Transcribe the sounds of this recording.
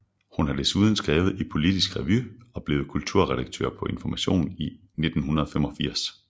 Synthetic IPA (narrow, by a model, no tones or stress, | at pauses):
hunhɑ̈d̥e̝suːð̞ˠn̩sɡ̥ʁɛːʊð̩ˠi̥pʰo̝lid̥isɡ̥ʁɛʋyɒ̽b̥leːʊð̞̩ˠkʰult͡sʰuɐʁɛɾɑ̈ɡ̥̚t͡sʰø̰ːɐ̰pʰɒ̽ʔe̝nfɒmæɕo̝̰ːni | ne̝d̥n̩hunɐðˠɒfemɒ̽fiɐ̰s